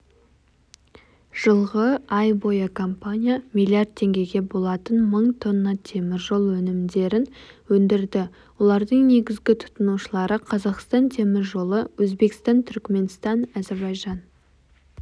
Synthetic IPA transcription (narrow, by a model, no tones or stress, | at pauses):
ʒ̥əlˠʁəɑjbo̞jakʰo̞mpanʲijamijlʲiard̪̚t̪ʰːe̞ŋɡʲe̞ɡʲe̞bo̞lˠɑt̪ənməɴt̪ʰo̞nːɑt̪ʰe̞mɪɾʒo̞lˠwɵnɪmd̪e̞ɾɪnwɵnd̪ɪɾd̪ɪ | wo̞lˠɑɾd̪əɴne̞ɡʲɪzɡʲɪt̪ʰʊ̥t̪ənuʃəlˠɑɾəqʰɑzɑqst̪ɑnt̪ʰe̞mɪɾʒo̞lˠəwɵzbe̞kst̪ɑnt̪ʰʏɾkme̞nst̪ɑnɑze̞ɾbɑjʒɑn